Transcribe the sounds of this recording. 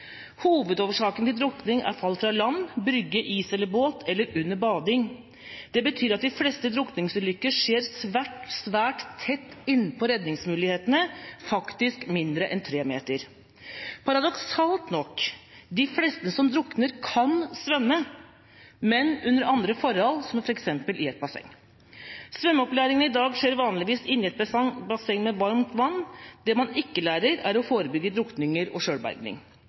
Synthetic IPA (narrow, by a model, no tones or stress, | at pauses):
huːʋəd̪oːʋəʂɑːkənt̪ɪld̪ɾʊknɪŋʔæ̰ɾfɑlːfɾɑlɑnːbɾʏɡːəʔiːsɛlːəɾboːt̪ʰɛlːəɾʉnːəɾbɑːd̪ɪŋ | d̪̥ɛbət̪ʰyːɾɑt̪̚d̪ɪflɛst̪əd̪ɾʊknɪŋsʉd̪ʏkːəʂeːɾsʋæʈsʋæːʈt̪ʰːɛt̪ːɪnːpʰɔɾɛd̪nɪŋsmʉːlɪɡheːt̪ənəfɑkt̪ɪskmɪnd̪ɾəʔɛnt̪ʰɾeːmḛːt̪əɾ | pʰɑɾɑd̪ɔksɑːlt̪nɔkd̪ɪflɛːst̪əsɔmd̪ɾʊknəɾkʰɑnsʋɛmːə | mɛnʉnːəɾɑnd̪ɾəfɔɾhɔlsɔmfɔɾɛksɛmpəlʔɪɛt̪̚bɑsɛ̰ŋ | sʋɛmːəɔplæːɾɪŋənəɪd̪ɑːɡʂeːɾʋɑːnlɪʋiːsɪnːɪɛt̪bbɑsɛŋmɛʋɑɾmt̪ʋɑnːd̪ɛmɑnɪkːəlæːɾəɾæɾɔfoːɾəbʏɡːəd̪ɾʊknɪŋəɾɔ̰ʂøːɽbæ̰ɾɡnɪ̰ŋ